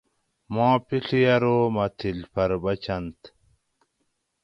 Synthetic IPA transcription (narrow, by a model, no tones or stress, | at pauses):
mãːpiɬijɐɾoːmɐt̪ʰilpʰɐɾbɐt͡ɕʰɐnt̪